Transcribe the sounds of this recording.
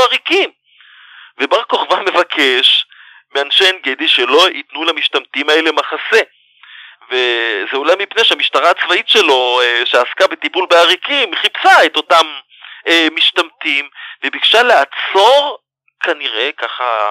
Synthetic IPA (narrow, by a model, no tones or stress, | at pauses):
aʁikim | vebaʁko̞χvame̞vakʰe̞ʃ | meanʃenɡediʃelo̞itnulamiʃtamtimae̞le̞maχase̞ | vezeolajmipneʃeamiʃtaʁaːt͡svaitʃe̞lo̞ʃeaskabet̪ipulbeaʁikimχipsaeto̞tam | emiʃtamtimvebiɡʃaleat͡so̞ʁ | kʰaniʁe̞kaχa̰